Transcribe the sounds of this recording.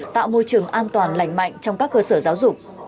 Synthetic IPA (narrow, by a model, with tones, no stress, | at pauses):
t̪a̰ː˧˨wmo˧jt͡ɕɨ˨˩əŋʔaː˧nt̪waː˨˩nla̰˧˩jŋ̟ma̰˧˨jŋ̟t͡ɕɔ˧wŋ͡mkaː˦˥kːəː˧səː˧˩zaː˨˦wzʊ˨˩k͡p̚